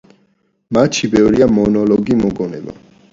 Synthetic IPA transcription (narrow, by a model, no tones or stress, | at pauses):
mat̪ʃʰibɛvɾiamɔnɔlɔɡimɔɡɔnɛ̰ba̰